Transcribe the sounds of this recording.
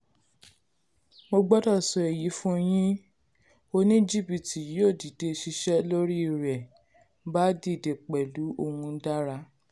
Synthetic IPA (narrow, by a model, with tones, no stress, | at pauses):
mo˧ɡ͡bɔ˦tɔ˦˨sɔ˧˨e˨ji˨˦fũ˦o˧˦j̃ĩ˦ | o˧nĩ˦d͡ʒi˦˨bi˨tʰi˨˦o˦˨di˨de˨˧ʃi˧ʃɛ˦lo˦ɾi˦˧ɾɛ˨ | ba˦di˦˨de˨k͡pɛ˨lu˨˦o˧hũ˧˦da˦ɾa˧